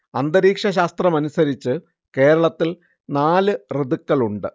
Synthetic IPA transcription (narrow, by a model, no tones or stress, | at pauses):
ɐnd̪ɐɾiːkʂɐɕ̬aːst̪rɐmɐnusɐɾit͡ɕːɨ | ke̞ːɾɐɭɐt̪ːil | naːlɨrɨðukːɐɭuɳɖɨ